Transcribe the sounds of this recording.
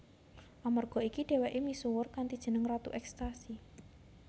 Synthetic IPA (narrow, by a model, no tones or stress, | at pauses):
ʔamarɡ̥ɔ̤ikiɖ̥e̤wɛʔimisuwʊrkant̪id̥ʒ̥ə̤nəŋrat̪ṵʔɛkst̪asi